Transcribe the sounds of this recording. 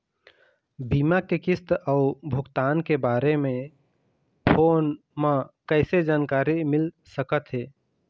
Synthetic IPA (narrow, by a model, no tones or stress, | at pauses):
biːmakekɪst̪aʊbʱʊɡt̪aːnkebaːɾemẽ | pʰoːn | mãkəɪsed͡ʒaːnkaːɾimɪl | səkət̪ɦeː